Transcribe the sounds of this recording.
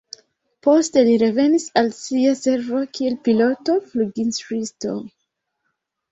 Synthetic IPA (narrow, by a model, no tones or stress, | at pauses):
posteliɾevenisalsiasevokʰielpilotofluɡinsɹisto̰m